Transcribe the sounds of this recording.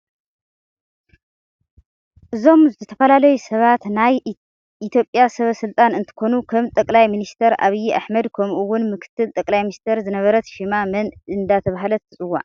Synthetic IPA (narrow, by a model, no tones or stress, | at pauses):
ʔɨzo̞mzɨt̪ʰɨt̪ʰɐ̥fɐlalɐjusɐβat̪naj | ʔit̪ʰjo̞pʼjasɐβɐsɨlt̪ʼanɨnt̪ʰɨ̥kʰo̞nukʰɐmt̪ʼɐkʼlajminist̪ʰɐɾa̰βijʔa̰ħmɐd̪kʰɐmʔuwʊnmɨkʰɨ̥t̪ʰːɨlt̪ʼɐkʼlajminist̪ʰɐɾzɨnɐβɐɾɐt̪ʃimamɐnɨnd̪at̪ʰɐβaɦalɐt̪ʰːɨt͡sʼɨwːa̰